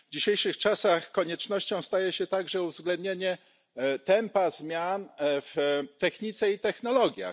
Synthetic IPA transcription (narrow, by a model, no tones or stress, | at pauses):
vd͡ʑiɕejʂɘxt͡ʂasaxkɔɲɛt͡ʂnɔɕt͡ɕɔ̃w̃st̪ajɛɕɛt̪aɡʐɛuvzɡlɛnd̪̚ɲeɲɛ | t̪ɛmpazmʲjanft̪ɛxɲit̪sɛit̪ɛxnɔlɔɡʲja̰